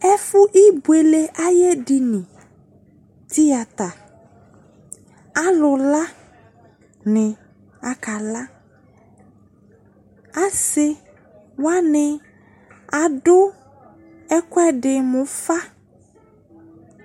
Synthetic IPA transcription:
ɛ˦fʊ˦ʔi˦bu˨˦e˨le˦ʔa˦je˦dɪ˨nɪ̃˨ | t̪i˦ja˨t̪a˨ | a˦lʊ˨la˦ | nɪ̃˨ | a˨ka˨la˦ | a˦sɪ˦ | wa˦nɪ˨ | a˨ɖʊ˦ | ɛ˦kwɛ˦dɪ˨mʊ̃˨fa˦

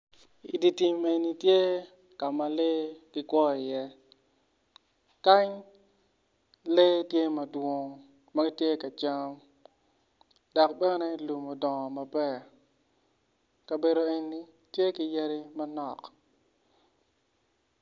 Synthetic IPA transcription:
i˨di˨ti˦me˦˨ni˦tje˦ | ka˨ma˨le˦ɡ̥ɪ˦kwɔ˦˨ɪ˨jɛ˦ | ka˦ɲ | le˦tje˦mɐ˨dwo˦˨ŋ | mɐ˦ɡi˦tje˦ka˨t͡ʃa˦m | dɔ˨k̚bɛ˦nɛ˦lu˨mo˨dɔ˨ŋɔ˨ma˨bɛ˦ | kɐ˨be˨ɾo˨e˨ɲni˦ | tje˦ki˦ja˦ɾi˦mɐ˦nɔ˨k

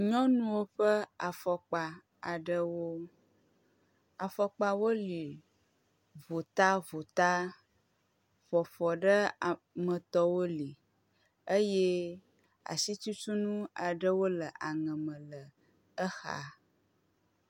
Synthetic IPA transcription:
ɲɔ̃˦nũ˦wo˦ɸə˦a˨fɔ˨k͡pa˨ | a˨ɖə˦wo˦ | a˨fɔ˨k͡pa˦wo˦li˨ | vo˨t̪a˦vo˨t̪a˦ | fɔ˨fɔ˨ɖə˦˨ | mə̃˨t̪ɔ˦wo˦li˨ | e˦je˦ | a̰˨si˦t͡ʃu˦t͡ʃu˦nũ˦a˨ɖə˦wo˦lə˨ʔa˨ŋə̃˨mə̃˨lə˨ | ə˦xa̰˨

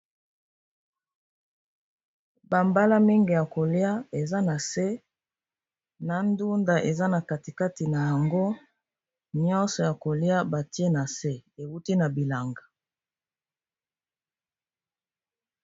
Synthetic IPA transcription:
ba˨mba˦la˦mi˦ŋɡe˨ja˨ko˨li˦a˦e˨za˦na˨se˦ | na˨ndu˦nda˨ʔe˨za˦na˨ka˨ti˨ka˦ti˨na˨ja˨ŋɡo˦ | ɲɔ̃˦nsɔ˨ja˨ko˨li˦a˦ba˨ti˦e˦na˨se˦e˨wu˦ti˦na˨bi˨la˨ŋɡa˨

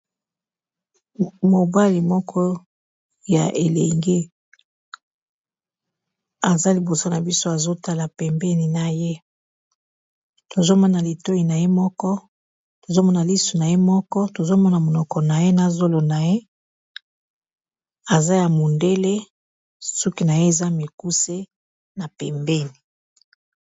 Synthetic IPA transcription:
mo˨ba˦li˨mɔ˦kʰɔ˦ | ja̰˨ʔe˨le˨ŋɡe˦ | a˨za˦li˨bo˨sa˦na˨bi˦so˦a˨zo˦ta˦la˨pɛ˨mbɛ˦ni˨na˨je˦ | to˨zo˦mɔ˦na˨li˨to˦i˨na˨je˦mɔ˦kɔ˦ | to˨zo˦mɔ˦na˨li˦su˨na˨je˦mɔ˦kɔ˦to˨zo˦mɔ˦na˨mo˨nɔ˨kɔ˨na˨je˦na˦˨zo˦lo˨na˨je˦ | a˨za˦ja˨mo˨nde˦le˦ | su˦ki˨˦na˨je˦e˨za˦mi˨ku˦se˦ | na˨pɛ˨mbɛ˦ni˨

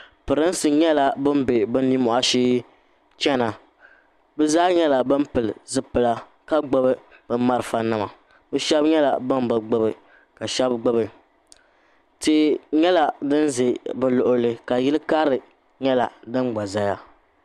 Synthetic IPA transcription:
pɨ˨ɾɨ˦n˦sɨ˨ɲɛ˦la˨bɨ˦m˦be˨bɨ˦nː˦i˦mɔ˨ʔa˦ʃiː˦ | t͡ʃɛ˦na˨ | bɨ˦zaː˦ɲɛ˦la˨bɨ˦m˦pɨ˨lɨ˨zɨ˦pɨ˨la˦ | ka˦ɡ͡bo˦bɨ˦ | b̥ɨ˦ma˦ɾɨ˨fa˦nɨ˦ma˨ | bɨ˦ʃɛ˦bɲɛ˦la̰˨bɨ˦n˦bɨ˨ɡ͡bʊ˦bɨ˨ | ka˨ʃɛ˦bɡ͡bʊ˦bɨ˨ | ti˦˨ɲɛ˦la˨dɨ˦nze˨bɨ˦lʊ˨ʔʊ˦lɨ˦ka˨jɪ˦lɨ˦ka˦ɾɨ˨ | ɲɛ˦la˨dɨ˦mɡ͡ba˨za˦ja˦

